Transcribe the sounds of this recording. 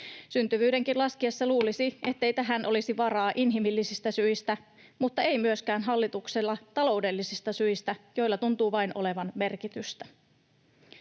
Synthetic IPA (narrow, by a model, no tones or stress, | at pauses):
synt̪yʋyːde̞ŋkilɑskiɑsːɑluːlisie̞t̪ːe̞jt̪æɦænʔo̞lisiʋɑɾɑːʔinɦimilːisist̪æsyist̪æ | mut̪ːɑe̞jmyøskæːnɦɑlːit̪ukselːɑt̪ɑlo̞wde̞lːisist̪ɑsyist̪æjo̞ijlːɑt̪unt̪uːʋɑinʔo̞le̞ʋɑnme̞rkit̪yst̪æ